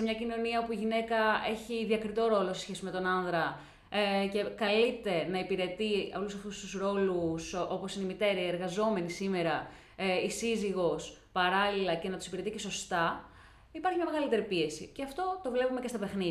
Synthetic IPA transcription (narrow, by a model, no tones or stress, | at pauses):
semɲɐcino̞niɐopuiʝine̞kɐe̞çiðiɐkɾit̪o̞ɾo̞lose̞sçe̞sime̞t̪o̞nɐnðɾɐ | ce̞kɐlit̪e̞nɐipiɾe̞t̪iɐlusɐft̪ust̪usɾo̞luso̞po̞sineimit̪e̞ɾɐeɾɣɐzo̞me̞nisime̞ɾɐ | isiziɣo̞s | pɐɾɐlilɐce̞nɐt̪usipiɾe̞t̪iceso̞st̪ɐ | ipɐɾçimɲɐme̞ɣɐlit̪e̞ɾipie̞siceɐft̪o̞t̪o̞vle̞pume̞cest̪ɐpexnið